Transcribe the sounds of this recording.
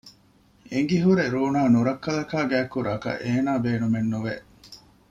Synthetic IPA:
eŋ̆ɡiɦuɾeɾuːnaːnuɾɐkːɐlɐkaːɡæːkːuɾaːkɐ̰ʔeːnaːbeːnumenːuʋe

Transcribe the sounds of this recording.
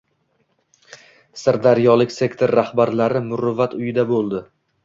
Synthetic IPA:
saɾd̪aɾjɒlˠɪkʲse̞kt̪ʰoɾːahbaɾlaɾɪmʊɾʊvat̪ʰʊjɪd̪abolˠd̪ɪ

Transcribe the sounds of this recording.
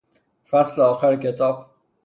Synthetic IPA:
fæsleɒːxæɾcʰet̪ʰɒːb̥

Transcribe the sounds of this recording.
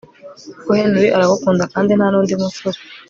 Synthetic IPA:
kuhendwiʔaɾaɡukuːndakaːndinhanuːndimusoɾi

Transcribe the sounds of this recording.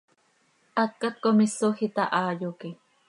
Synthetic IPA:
ʔat̪̚kat̪̚komisoxit̪aʔaːjuki

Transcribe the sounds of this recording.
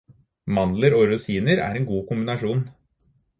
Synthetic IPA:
mɑnləɾoːɾʊsiːnəɾæ̰ːɾeːnɡuːkʊmbɪnɑʂuːn

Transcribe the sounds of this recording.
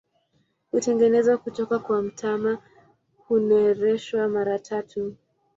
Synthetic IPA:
hutɛŋɡɛnɛzakutɔkakwam̩tʰama | hunaɛɾɛʃwamaɾatʰatʰu

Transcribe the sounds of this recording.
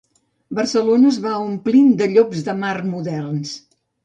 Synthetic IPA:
bərsəlonəːzβaumplind̪əʎobzðəmarmuðɛrns

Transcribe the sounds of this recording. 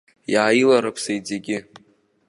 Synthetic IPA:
jaːjilaɾapʰsejd͡zeɡʲɪ

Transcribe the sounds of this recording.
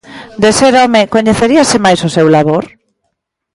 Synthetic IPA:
d̪eseɾɔmɪkoɲeθeɾiasɪmajsosewlaβoɾ

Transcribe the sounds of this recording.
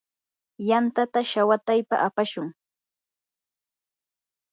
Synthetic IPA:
jant̪at̪aʃawat̪ajpa̰ʔapaʃʊŋ

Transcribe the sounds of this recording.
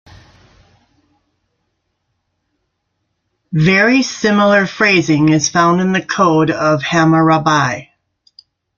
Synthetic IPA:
vɛɹisɪ̃ml̩ˠə˞fɹeɪzɪ̃ŋɨz̥fãʊ̃ndɨ̃nðɨkʰoʊɾʌv̥hæməɹɑbaɪ

